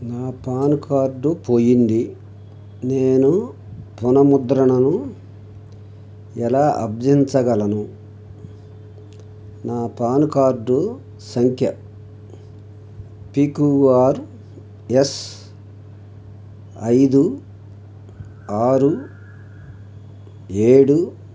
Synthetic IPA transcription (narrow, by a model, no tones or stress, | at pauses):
naːpaːnkaːɾɖupo̞ːjind̪i | neːnu | punɐmud̪ɾɐɳɐnu | ɛlaːʔɐ̰bd͡ʒiɲt͡ʃɐɡɐlɐnu | naːpaːnkaːɾɖu | sɐŋkʰjɐ | piːkuaːɾ | es | ɐjd̪u | aːɾu | e̞ːɽu